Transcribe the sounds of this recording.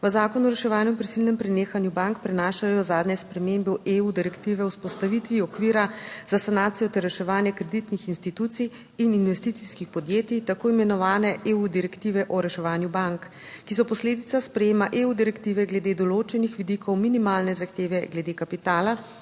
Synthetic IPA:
ʋəzaːkɔnɔɾɛʃɛʋaːnjupɾisilnɛmpɾɛneːxanjubaŋkpɾɛnaːʃajɔzaːd̪nʲɲɛspɾɛmembuʔeud̪iɾɛkt̪iʋɛɔwspɔst̪aʋit̪ʋiɔkʋiːɾazasanaːt̪sijɔt̪ɛɾːɛʃɛʋaːnjɛkɾɛd̪it̪nixinst̪it̪uːt̪sij | ininʋɛst̪it̪siskixpɔd̪jeːt̪it̪akoːimɛnɔʋaːnɛʔeud̪iɾɛkt̪iːʋɛʔɔɾɛʃɛʋaːnjubaŋk | kːis̬ɔpɔsleːd̪it̪saspɾɛjeːmaʔeud̪iɾɛkt̪iːʋɛɡlɛd̪eːd̪ɔloːt͡ʃɛnixʋid̪ikʰɔwminimaːlnɛzaxt̪eːʋɛɡlɛd̪ekapit̪aːla

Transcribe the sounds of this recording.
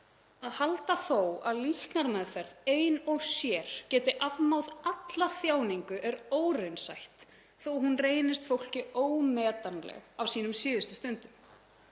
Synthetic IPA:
aðhalt̪aθowa̰ðlihk̪naɾmɛðfɛɾðeːjnɔɣsjɛːɾ̥cɛːt̪ɪʔavmawðat̪laθjaːwniŋkʏʔɛɾoːwrejnsa̰jht̪ | θowɦunreːjnɪst̪fowl̥cɪoːwmɛːt̪anlɛ̰ɣawsiːnʏmsɪːðʏst̪ʏst̪ʏnt̪ʏm

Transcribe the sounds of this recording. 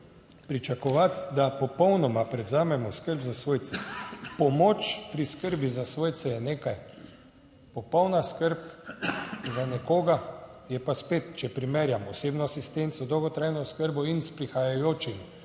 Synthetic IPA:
pɾit͡ʃakɔʋat̪d̪apɔpɔwnɔmapɾɛwzaːmɛmɔskəɾbzasʋoːjt̪sɛpɔmot͡ʃpɾiskəɾbizasʋoːjt̪sɛjɛneːkaj | pɔpɔwnaskəɾp | zanɛkoːɡajɛpaspeːt̪t͡ʃɛpɾimeːɾjamɔseːbnɔasist̪ent̪sɔd̪ɔwɡɔt̪ɾajnɔskəɾbɔinspɾixajajoːt͡ʃim

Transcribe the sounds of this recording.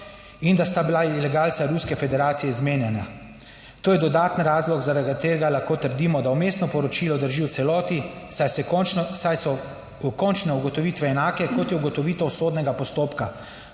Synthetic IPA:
ind̪ast̪abilailɛɡaːlt̪saɾuskɛfɛd̪ɛɾaːt̪sijɛizmeːnjɛna | t̪oːjɛd̪ɔd̪aːt̪ənɾaːzlɔɡzaɾad̪̚t̪ːeɾɡalaxkoːt̪əɾd̪iːmɔd̪awmeːst̪nɔpɔɾɔt͡ʃiːlɔd̪əɾʒiwt̪sɛlɔːt̪isassajsɔ | ukɔnt͡ʃnɛuɡɔt̪ɔʋiːt̪ʋɛːnaːkɛkɔt̪jɛuɡɔt̪ɔʋiːt̪ɔwsoːd̪nɛɡapɔst̪oːpka

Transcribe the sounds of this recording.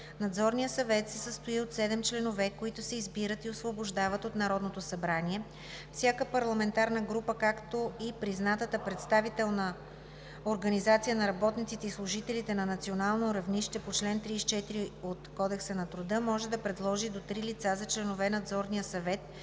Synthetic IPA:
nɐd̪zɔɾnijəsɐvɛt̪sɛsəst̪oiot̪sɛd̪ɛmt͡ʃlɛnovɛkoit̪ʊsɛizbiɾət̪iosvoboʒd̪avət̪ot̪nɐɾɔd̪not̪osɐbɾaniɛ | fsʲjakəpɐɾlˠɐmɛnt̪aɾnəɡɾupəkakt̪oipɾiznat̪ət̪əpɾɛt̪st̪avit̪ɛlˠnə | oɾɡɐnizat̪sijənɐɾɐbɔt̪nit̪sit̪ɛislˠʊʒit̪ɛlit̪ɛnɐnɐt̪sionalˠnoɾɐvniʃt̪ɛpot͡ʃlɛnt̪ɾist͡ʃɛt̪iɾiot̪kɔd̪ɛksənɐt̪ɾʊd̪ɤmɔʒɛd̪ɐpɾɛd̪lˠɔʒid̪ot̪ɾilit̪sazɐt͡ʃlɛnovɛnɐd̪zɔɾnijəsɐvɛt̪

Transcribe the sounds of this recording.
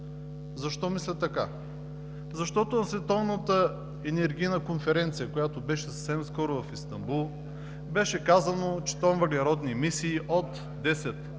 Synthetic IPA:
zɐʃt̪ɔmislʲət̪ːɐka | zɐʃt̪ɔt̪ʊnɐsvɛt̪ɔvnət̪ə | ɛnɛɾɡ̟ijnəkonfɛɾɛnt̪sijəkojat̪obɛʃɛsɐfsɛmskɔɾʊvɐfist̪ɐmbulˠ | bɛʃɛkazənot͡ʃɛ̥t̪ɔmvɐlʲiɾɔd̪nimisiːʔot̪ | d̪ɛsɛt̪

